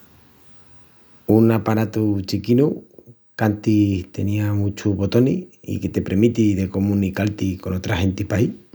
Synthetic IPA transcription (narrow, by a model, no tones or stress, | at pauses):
unapaɾat̪ut͡ʃikinu | kant̪iht̪e̞niamut͡ʃuβo̞t̪o̞nḭḭket̪e̞pɾeɾmit̪iðe̞ko̞mũnikalt̪iko̞no̞t̪ɾahe̞nt̪ipai